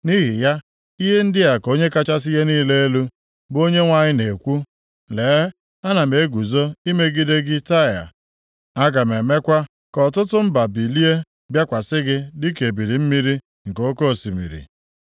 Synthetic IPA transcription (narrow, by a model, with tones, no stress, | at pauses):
ni˦ɦi˨ja˦ | i˦ɦe˦n̩˦dɪ˦a˨ko˦ɲe˦ka˦t͡ʃa˦s̬i˦ɦe˦niː˦le˦e˦lu˦ | bo˦ɲe˦ŋʷa˦ɲɪ˦ne˨kʷu˦ | leː˨˦ | a˦na˨m˨e˨˦ɡu˨zo˦i˦me˦ɡi˦de˦ɡɪ˦ta˦˨ja̰˨ | a˦ɡa˨m̩e˨me˦kʷa˦ | kɔ˨tʊ˦tʊ˦m̩˦ba˨bi˨li˦e˦ | bja˦kʷa˨sɪ˦ɡɪ˦dɪ˦ke˨bi˨ɾi˨m̩˦mi˦ɾi˦ | ŋ̩˨ko˦ko˦˨si˨mḭ˨ɾḭ˨